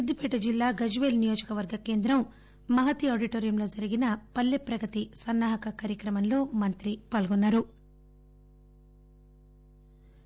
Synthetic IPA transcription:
ɐd̪ːipɛːʈɐd͡ʒilːaːɡɐd͡ʒuʋeːlnijoːd͡ʒɐkɐʋɐɾɡɐke̞ːnd̪ɾɐm | mɐɦɐt̪iaːɖiʈoːɾijɐmlo̞ːd͡ʒɐɾiɡinɐpɐlːepɾɐɡɐt̪isɐnːaːɦɐkɐkaːɾjɐkɾɐmɐnlo̞ːmɐnt̪ɾipaːlɡunːaːɾu

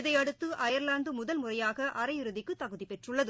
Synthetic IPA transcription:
ðɐɪɐɽɯt̪ːɯʔɐjɐɾlaːnd̪ɯmʊðɐlmʊrɐjaːɣɐʔɐɾɐjɪɾɯðɪkːɯt̪ːɐɣɯðipɛʈrɯɭːɐðɯ

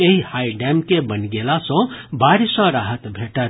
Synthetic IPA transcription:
eɦihaiɖɛmkebənɡelasɔ̃baːɾsə̃ɾaɦət̪bʱeʈət̪

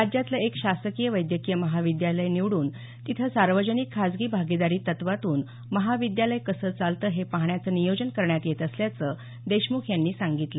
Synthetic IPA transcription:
ɾad͡ʑjat̪ləekɕasəkijəʋəjd̪jəkijəməɦaʋid̪jaləjniʋɽuːn | t̪it̪ʰəsaɾʋəd͡ʑənikʰːad͡zɡiːbʱaɡid̪aɾiːt̪ːət̪ʋat̪uːn | məɦaʋid̪jaləjkəsəːt͡salt̪əːɦepaɦɳjat͡səːnijod͡ʑənkəɾɳjat̪jet̪əsljat͡sə | d̪eɕmukʰjanːiːsaŋɡit̪lə

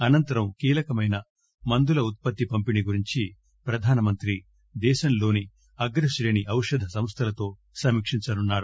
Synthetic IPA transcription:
ɐnɐnt̪ɐɾɐmkiːlɐkɐmɐjnɐ | mɐnd̪ulɐut̪̚pɐt̪ːipɐmpiniɡuɾiɲt͡ʃi | pɾɐd̪ʱaːnɐmɐnt̪ɾi | d̪ɛːʃɐnlo̞ːni | ɐɡɾɐʃɾeːniʔɐwʂɐd̪ʱɐsɐmst̪ʰɐlɐt̪o̞ː | sɐmikʂiɲt͡ʃɐnunːaːɽu

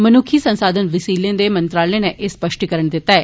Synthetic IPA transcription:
mənuːkʰiːsə̃nsaːd̪ənʋɪsiːlẽːd̪eːmənt̪ɾaːlẽːneʔespəʃʈikəɾəɳd̪ɪt̪ːaɛː

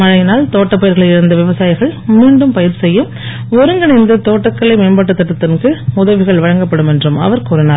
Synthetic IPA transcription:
mɐɻɐɪnaːlt̪oːʈːɐpːɐjɐɾɣɐɭɐɪɪɾɯnd̪ɐʋɪʋɐsaːjɪɣɐɭmiːɳɖɯmpɐjɪɾsɛjːɯm | ɔɾɯŋɡɐnɪnd̪ɯt̪oːʈːɐkːɐɭɐɪmeːmbaːʈːɯt̪ːɐʈːɯt̪ːɐnkɯʊðɐʋɪɣɐɭʋɐɻɐŋɡɐpːɐɽɯmɛndrɯmɐ̰ʋɐɾkuːɾɐnaːɾ

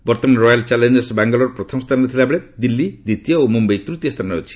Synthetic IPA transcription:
bɔɾt̪ɔmanɾɔjalt͡ʃalend͡ʒesbaŋɡɔlɔɾpɾɔt̪ʰɔmɔst̪ʰanɔt̪ʰilabeɭed̪ilːid̪it̪ijɔomumbejt̪ɾut̪ijɔst̪ʰanot͡ʃʰi̥

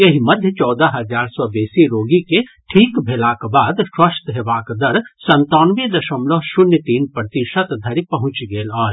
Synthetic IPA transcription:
jɐɦimɐd̪ʱjət͡ʃɔːd̪əɦɐzaːɾsɔːbeːsiɾoːɡikeʈʰiːkbʱelaːkbaːd̪ʃwɐʃt̪ɦeʋaːkd̪ɐɾsɐ̃nt̪ɔːnʋid̪ɐʃəmloɦʃʊnjət̪iːnpɾət̪iʃət̪d̪ʱɐɾipɐɦʊ̃t͡ʃɡeːlaːl

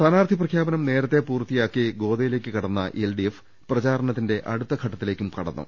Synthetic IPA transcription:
st̪ʰɐnaːrd̪ʱiprɐkʰjaːbɐnɐmne̞ːɾɐt̪ːe̞puːrt̪ːijaːkːiɡo̞ːd̪ɐjile̞ːkʲːɨkɐɽɐnːɐ̰ʔelɖief | prɐt͡ɕaːɾɐɳɐt̪̬ːinde̞ʔɐɽut̪ːɐkʰɐʈːɐt̪ːile̞ːkʲːumkɐɽɐ̰nːṵm

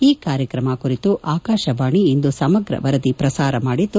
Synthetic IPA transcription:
iːkaːɾjɐkɾɐmɐkuɾit̪uʔaːkaːʃɐʋaːɳiind̪usɐmɐɡɾɐ̰ʋɐɾɐd̪ipɾɐsaːɾɐmaːɽit̪ːu

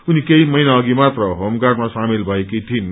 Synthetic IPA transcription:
unikejmʌjnaʌɡimat̪rʌɦʌmɡarmasamilbʱʌekijt̪ʰin

